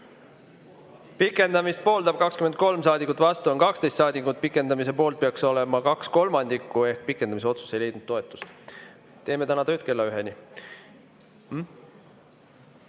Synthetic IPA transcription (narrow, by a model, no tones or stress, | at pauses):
pikːˑe̞nd̪ɑmist̪̚po̞ːld̪̥ɑb̥̚kɑkskymed̪̚ko̞lmsɑːd̪ikːˑut̪ːˑvɑst̪uonkɑkst̪e̞jst̪sɑːd̪ikut̪̚pikːˑe̞nd̪̥ɑmis̬e̞po̞ːlt̪̚peɑkso̞le̞mɑkɑksko̞lmɑnd̪̥ikːue̞hk̚pikːˑe̞nd̪ɑmiseo̞t̪su̥se̞jle̞jd̪nud̪o̞e̞t̪ːˑu̥s | t̪e̞ːme̞t̪ænɑt̪øːt̪̚ke̞lːɑyɦe̞ni